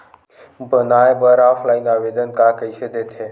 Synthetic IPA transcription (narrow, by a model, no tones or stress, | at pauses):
bʱənaːebəɾaːfʰlaːinaːʋeːd̪ənkaːkəiʃəd̪et̪ʰe